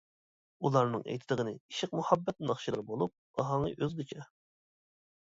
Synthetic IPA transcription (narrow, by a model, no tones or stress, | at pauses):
ulˠɑɾnɨŋɛ̰jt̪ʰɪd̪əʁənɨiʃɪq̚muhɑbːɛt̪̚nɑχʃilˠɨɾbolˠup̚ɑɦɑŋə̰ʔøzɡʲet͡ʃʰɛ